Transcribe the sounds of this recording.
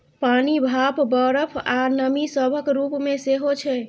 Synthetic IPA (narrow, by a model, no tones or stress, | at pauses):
panibʱapbəɾəpʰanəmisəbʱəkɾupmeseɦot͡ʃʰɛ